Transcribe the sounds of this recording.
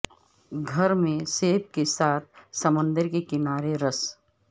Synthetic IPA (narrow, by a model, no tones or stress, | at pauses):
ɡʱɐɾmẽseːpkesaːt̪̚ʰsɐmə̃nd̪əɾkekɪnaːɾeɾɐs